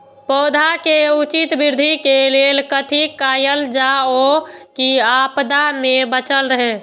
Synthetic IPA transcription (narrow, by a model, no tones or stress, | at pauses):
pɔːd̪ʱakeut͡ʃit̪biɾd̪ʱikelelkət̪ʰikajəld͡ʒaokiapd̪amebət͡ʃəlɾəɦe